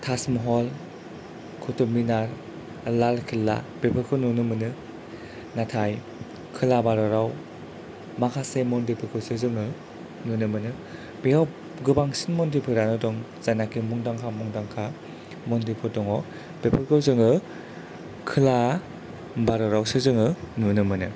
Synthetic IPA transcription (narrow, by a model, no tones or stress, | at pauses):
tʰasmɔɦɔl | kʰɔtɔminaɾ | lalkʰilːa̰b̥epʰɯkʰɯnunɯmɯnɯ | natʰaj | kʰɯlabaɾɔɾaw | makʰasemɔndepʰɯkʰɯwsɯzɯŋɯ | nunɯmɯnɯ | biɡaw | ɡɯbaŋsinmɔndipʰɯɾanɔdɔŋ | zanakimuŋdaŋkʰamɔŋdaŋkʰa | mɔndipʰɯdɔŋɔ | b̥epʰɯɾkʰɯwzɯŋɯ | kʰɯla | baɾɔɾawsɯzɯŋɯnunɯmɯnɯ